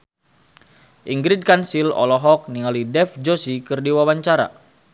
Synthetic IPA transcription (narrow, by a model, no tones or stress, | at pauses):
ʔiŋɡɾid̚kansilɔ̰lɔɦɔk̚niŋalidɛfd͡ʒosikɨrdiwawaɲt͡ʃaɾa̰